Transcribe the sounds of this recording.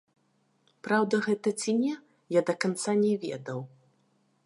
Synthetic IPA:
pɾawd̪ɐɣɛt̪ɐt͡sʲinʲɛ | jad̪ɐkant̪sanʲɛvʲɛ̰d̪ɐw

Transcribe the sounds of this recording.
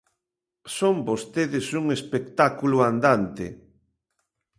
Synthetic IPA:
sombost̪eðɪsuŋespek̚t̪akuluand̪ant̪ɪ̰

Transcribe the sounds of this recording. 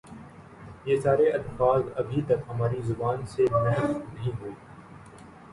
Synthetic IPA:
jeːsaːɾeʔɐt̪faːt̪ɐbʱit̪ɐkɦɐmaːɾizʊbaːnsemɛɦtnɐɦĩɦoːiː

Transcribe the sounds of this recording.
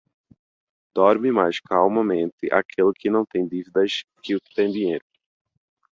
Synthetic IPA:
d̪̥ɔɾmɪmajskawmɐmẽnt̪ɪʔa̰kʰelʊkʰɪnɐ̃w̃t̪ẽj̃d̪ivid̪ɐʃkɪʊkɪ̥t̪ẽj̃d̪ĩɲejɾʊ

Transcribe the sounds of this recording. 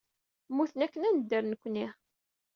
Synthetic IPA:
mːuθənækːənænəd̪ːəɾnəkʷːni

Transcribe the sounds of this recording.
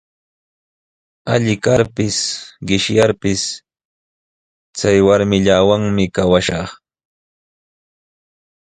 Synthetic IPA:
aʎɪkaɾpɪsɢɪʃjaɾpɪs | t͡sajwaɾmɪʎaːwaŋmɪkawaʃɑχ

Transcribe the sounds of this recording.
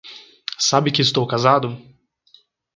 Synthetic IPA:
sabɪkɪɪst̪owkazad̪ʊ

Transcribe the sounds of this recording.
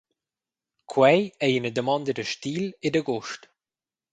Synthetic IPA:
kʰwɛjejənədəmɑnd̪ədəʃtiːlɪdəɡɔʃt

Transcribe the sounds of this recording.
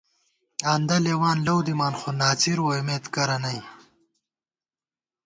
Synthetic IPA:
and̪ɐlewaːnlɐwd̪imaːnχonaːt͡siɾwojmeːt̪kɐɾɐnɐj

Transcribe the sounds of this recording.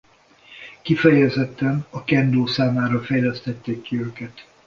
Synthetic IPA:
kifɛjɛzɛt̪ːɛnɒkɛnd̪oːsaːmaːɾɒfɛjlɛst̪ɛt̪ːeːkːiøːkɛt̪

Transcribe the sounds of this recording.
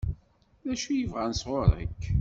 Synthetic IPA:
ðæʃujəvʁansʁʊɾˤə̰kː

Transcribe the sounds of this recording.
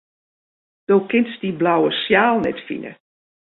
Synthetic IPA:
d̥oːkɪnsdiblawəsjaːlˠnɛ̰tfḭnə̰

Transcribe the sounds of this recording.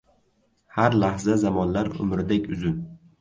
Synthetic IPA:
haɾlahzazamɒnlaɾʊ̰mɾɪd̪ekʲʊzʊn

